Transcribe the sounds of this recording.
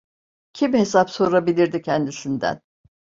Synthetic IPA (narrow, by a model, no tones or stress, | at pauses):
cʰimhe̞s̬apso̞ɾabilʲiɾd̪icʰɛnd̪isind̪æ̰n